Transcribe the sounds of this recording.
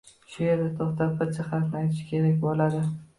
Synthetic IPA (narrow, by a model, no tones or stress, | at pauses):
ʃʊjeɾd̪at̪ʰoχt̪ʰapɪɾt͡ʃʰaχafnɪajt̪ʰɪʃɪ̥kʲʰe̞ɾakʲbolˠad̪ɪ